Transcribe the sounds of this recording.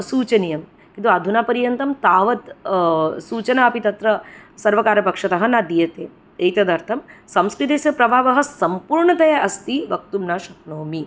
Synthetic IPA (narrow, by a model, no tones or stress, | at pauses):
suːt͡ʃɐnijɐm | kint̪uɐd̪ʱunaːpɐɾjɐnt̪ɐmt̪aːʋɐt̪ | suːt͡ʃɐnɐɐpit̪ɐt̪ɾɐsɐɾʋɐkaːɾɐpɐkʂɐt̪ɐɦɐnad̪ijɐt̪eː | ejt̪ɐd̪ɐɾt̪ʰɐmsɐmskɾit̪eːsɐpɾɐbʱaːʋɐɦɐ̆sɐmpuːɾɳɐt̪ɐjɐʔɐst̪iʋɐk̚t̪umnaːʃɐk̚noːmi